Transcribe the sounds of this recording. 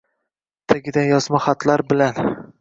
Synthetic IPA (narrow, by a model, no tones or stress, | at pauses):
t̪ʰaɡʲɪd̪anjɒzmaχat̪ʰlaɾbɪlan